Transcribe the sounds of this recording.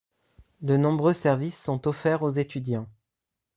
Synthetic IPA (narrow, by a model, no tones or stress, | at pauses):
d̪ənɔ̃bʁøsɛʁvisːɔ̃t̪ɔfɛʁozet̪yd̪jɑ̃